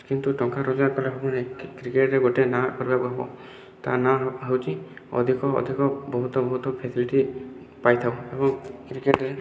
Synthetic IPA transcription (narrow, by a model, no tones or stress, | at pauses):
kint̪uʈɔŋkaɾɔd͡ʒaɾkɔleɦɔbɔnekɾikeʈɾeɡoʈenakɔɾibakuɦbɔ̰ | t̪a̰naɦəwt͡ʃʰiɔ̰d̪ʱikɔ̰ːd̪ʱikɔbɔɦut̪ɔbɔɦut̪ɔpʰesiliʈi | pajt̪ʰawebɔŋkɾikeʈɾe